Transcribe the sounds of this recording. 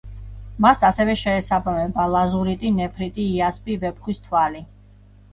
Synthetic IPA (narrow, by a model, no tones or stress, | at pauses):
masasɛvɛʃɛːsabamɛbalˠazuɾit̪ʼinɛpʰɾit̪ʼiːaspʼivɛpχwist̪ʰwali